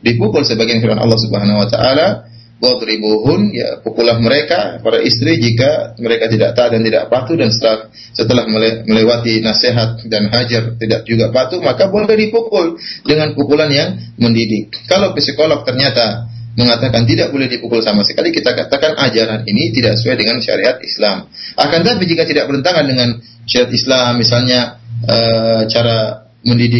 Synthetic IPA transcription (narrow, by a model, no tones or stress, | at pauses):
dipukʊlsəbaɡianfiɾanʔɑ̰lːɑhsubəɦanawat̪a̰ʔala | bɔt̪ɾiboɦʊnja̰pukulahməɾekapaɾaʔist̪ɾid͡ʒikaməɾekat̪ida̰ʔ̚t̪aːt̪̚dant̪ida̰ʔpat̪udansə̥t̪əah | sət̪əlahməleməlewat̪inaseɦat̪̚danɦad͡ʒart̪idaʔ̚d͡ʒuɡaʔpat̪umakabolɛhdipukʊldəŋanpukulanjaŋməndidɪkːalowkəsəkolak̚t̪ərɲat̪aməŋat̪akant̪̬idaʔ̚bolɛhdipukʊlsamasə̥kalikit̪akat̪akanʔad͡ʒaɾaninit̪idaʔsuajdəŋanʃa̰ɾiɦat̪̚islamʔakant̪ap̬id͡ʒikat̪idaʔ̚bəɾənt̪aŋandəŋan | ʃaɾɦat̪islamːisalɲaət͡ʃaɾa | məndidɪ